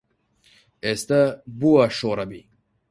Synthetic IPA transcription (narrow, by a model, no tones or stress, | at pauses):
est̪əbuɐʂoːɾɐbi